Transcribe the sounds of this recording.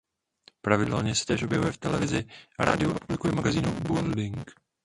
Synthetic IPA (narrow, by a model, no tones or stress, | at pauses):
pɾavɪdɛlɲɛsɛ̥t̪ɛːʃo̞bjɛvujɛft̪ɛlɛvɪzɪʔaɾa̰ːdɪoɾɛpublɪkujɛmaɡaziːnubuldɪŋk